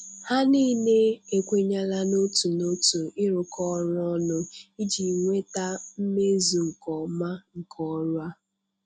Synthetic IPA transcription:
ha˦niː˦ne˦e˨kʷe˦ɲa˦la˦no˦tu˨no˦tu˨ɪ˦ɾʊ˨kɔ˦ɾɔ˦nʊ˦i˦d͡ʒi˨ŋʷe˦ta˦m̩˦me˦zu˨ŋ̩˨kɔ˨ma˦ŋ̩˨kʰɔ˦ɾʊ˦a˦

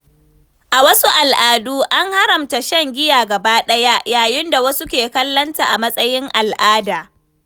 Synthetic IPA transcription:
ʔa˨wɐ˦su˦ʔa˨lʔaː˨duː˦ʔa˦ŋha˦ɾɐ˨mta˨ʃɐ˦ŋɡʲɪ˦jaː˨ɡɐ˨baː˦ɗɐ˦ja˦jaː˨jɪ˦nda˨wɐ˦su˦kʲeː˨kɐ˦lːɐ˦nta˨ʔa˨mɐ˦sʼɐ˦jɪ˦ŋʔa˨lʔaː˦daː˨

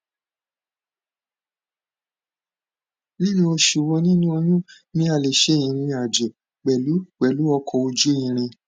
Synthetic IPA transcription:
li˦lĩ˧˦o˧ʃu˨wo˧nĩ˦nũ˦o˧j̃ũ˦ | nĩ˦a˧˨le˨ʃe˦˨ĩ˧˨ɾĩ˧a˨d͡ʒe˨ | k͡pɛ˨lu˨˦k͡pɛ˨lu˨˦ɔ˧kʰɔ˧o˧d͡ʒu˦ĩ˧˨ɾ̃ĩ˧

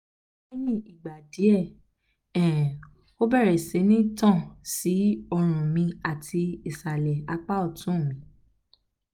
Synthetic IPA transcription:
e˦jĩ˦˨i˨ɡ͡ba˨di˨˦ɛ˦˨ | ɛ̃˨ | o˦bɛ˦˨ɾɛ˨se˨˦nĩ˦tɔ̃˦˨si˨˦ɔ˧ɾ̃ũ˨mĩ˧a˨tʰi˧i˨sa˨lɛ˨a˧k͡pa˦ɔ˦˨tũ˨˦˨mĩ˨˦

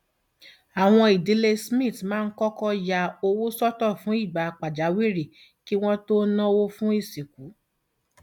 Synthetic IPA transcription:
a˨w̃ɔ̃˧i˨di˨˧˦le˧smĩ˦˨tmãː˦˧n̩˦kɔ˦kɔ˦ja˧o˧wo˦sɔ˦tɔ˦˨fũ˨˦i˦˨ɡ͡ba˨˧k͡pa˨d͡ʒa˨˦wi˦˨ɾi˦˨ | ki˦w̃ɔ̃˦to˦nã˦wo˦fũ˦i˦˨si˨ku˨˦

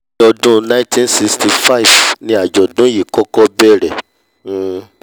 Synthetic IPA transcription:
ɔ˧dũ˦nã˦tĩ˦nsi˧ksti˧fa˦i˨vnĩ˦a˨d͡ʒɔ˨dũ˨˦ji˨kɔ˦kɔ˦bɛ˦˨ɾɛ˨˦

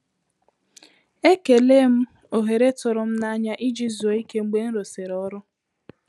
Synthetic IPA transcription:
e˦ke˨le˦m̩˦ | o˨ɦe˨ɾe˦tʊ˨ɾʊ˨m̩˦na˦ɲa˦ʔi˦d͡ʒi˦zu˨o˨i˦ke˦ŋ͡m̩˦ɡ͡be˦n̩˦ɾo˨se˨ɾɔ˦ɾʊ˦

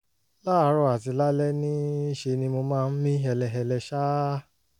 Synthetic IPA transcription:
la˦˧˦ɾɔ˧˦a˨ti˧la˦lɛ˦nĩ˦i˦ʃe˧nĩ˧mo˧mãː˦˧n̩˦mĩ˦ɛ˧lɛ˧ɦɛ˧lɛ˧ʃa˦

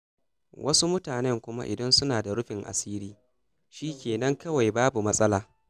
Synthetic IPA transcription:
wʔɐ˦su˦mʊ˦taː˨nɛ˦ŋkʷʊ˦ma̰˦ʔɪ̰˨dɐ˦nsʊ˦naː˨da˨ɽʊ˦ɸɪ˨ŋʔa̰˨siː˦ɾiː˦ | ʃiː˦kʲeː˨nɐ˦ŋkɐ˦wa˨jbaː˦bu˨mɐ˦sʼɐ˦laː˦

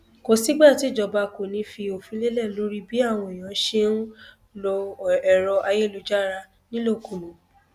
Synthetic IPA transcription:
ko˨si˦ɡ͡ba˦˨ti˨˦˨d͡ʒɔ˧˨ba˧ko˨nĩ˨˦fi˧o˨fĩ˨˧˦le˦lɛ˦˨lo˨˦ɾi˦bi˨˦a˦˨w̃ɔ̃˧i˨j̃ã˨˦ʃe˦n̩˦ | lo˧ɛ˨ɾɔ˧ʔa˧je˦˨lo˨˧d͡ʒa˦˨ɾa˧ | nĩ˦lo˦˨kũ˨mũ˨

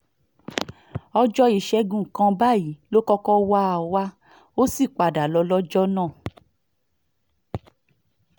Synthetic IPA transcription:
ɔ˧d͡ʒɔ˧i˨ʃɛ˧˦ɡũ˦˨kã˧ba˦˨i˨˦lo˦kɔ˧kɔ˦wa˦a˨wa˦ | o˦si˦˨k͡pa˨da˨lɔ˧lɔ˦d͡ʒɔ˦nã˦˨

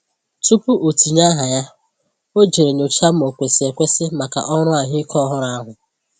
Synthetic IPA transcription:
tu˦pu˦ʔo˨ti˨ɲa˦ɦa˨ja˦ | o˦d͡ʒe˨ɾe˨ɲo˨t͡ʃa˦m̩˦o˨kʷe˨sɪ˨e˨kʷe˦sɪ˦ma˨ka̰˨ʔɔ˦ɾʊ˦a˨ɦɪ˦kʰɔ˦ɦʊ˦ɾa˦ɦʊ˨

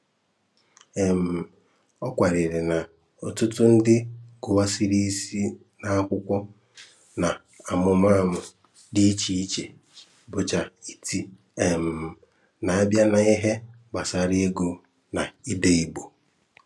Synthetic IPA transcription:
e˨m̩˨ | ɔ˦kʷa˨ɾɪ˨ɾɪ˨na˨ | o˨tʊ˦tʊ˦n̩˦dɪ˦ɡ̥ʊ˨wa˦si˦ɾi˦si˦ | na˨a˦kʷʊ˦kʷɔ˦ | na˨ | a˨mʊ˨m˦a˦˨mʊ˨ | di˦i˦t͡ʃi˨i˦t͡ʃe˨ | bʊ˨t͡ʃa˨i̥˨tʰi˦ | e˨m̩˨ | na˨a˦bja˦na˨i˦ɦe˦ | ɡ͡ba˨sa˨ɾɪ˦e˦ɡu˦ | na˨i˦de˦i˦ɡ͡bo˨

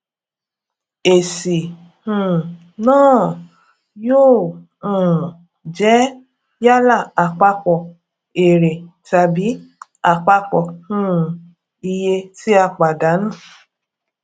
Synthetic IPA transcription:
e˨si˨ | hũ˨ | nãː˦˨ | joː˦˨ | ũ˨ | d͡ʒɛ˨˦ | ja˦la˦˨a˨k͡pa˧k͡pɔ˨ | e˨ɾe˨ta˨bi˨˦a˨k͡pa˧k͡pɔ˨hũ˦˨ | i˧je˧ti˦a˧k͡pa˨da˨˦nũ˦˨

